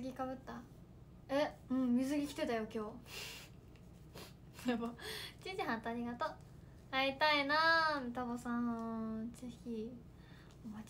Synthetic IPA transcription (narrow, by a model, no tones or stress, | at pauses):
ɨɡʲikaβɯ̟t̪ːa | eɯ̟̃ɴmʲizɨɡʲikʲi̥t̪e̞t̪ajo̞kʲo̞ː | soɾemoi̥t͡ɕĩɲd͡ʑiɦãnt̪aɾʲiɡat̪o | ait̪ainamit̪abosãnt͡seçʲi | omat͡ɕ